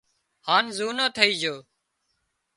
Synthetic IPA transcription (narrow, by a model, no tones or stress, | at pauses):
haːnzuːnõːt̪ʰəiːd͡ʒoː